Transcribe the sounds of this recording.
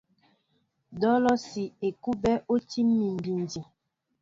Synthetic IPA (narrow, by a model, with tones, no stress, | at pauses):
dɔ˦lɔ˦si˨e˨ku˦bɛ˦ʔo˦ti˦mːi˨m˨bi˨ndi˨